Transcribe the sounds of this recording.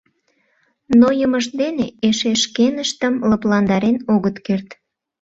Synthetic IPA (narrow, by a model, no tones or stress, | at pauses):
nojəməʃd̪eneeʃeʃkenəʃt̪əmləplɑnd̪ɑɾenoɣət̪kert̪